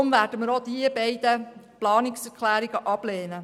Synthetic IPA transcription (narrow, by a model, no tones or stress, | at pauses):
ʊmvæːɾdəməɾod̪iəbɛɪd̥̪əplɑːnɪksɛɾkʰlæːɾiɡəʔɑb̥leːnə